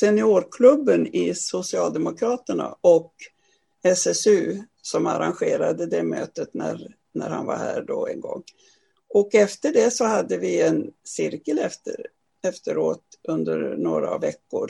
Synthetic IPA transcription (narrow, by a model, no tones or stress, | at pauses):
sɛnɪoːɾkʰlɵbːənɪsʊsɪɑːld̪ɛmʊkʰɾɑːt̪əɳa̰ɔk | ɛsɛsʉ̟ː | sɔma̰ɾanɧeːɾad̪əd̪ɛmø̰ːt̪ət̪næɾ | næɾhanvahæːɖoɛ̰nɡɔ̰ŋː | ʔɔkɛft̪əɖɛsɔhad̪ːəvɪɛnsɪɾkəlɛft̪əɾ | ɛft̪əɾoːt̪ʔɵnd̪əɾnoːɾavːɛkːʊɾ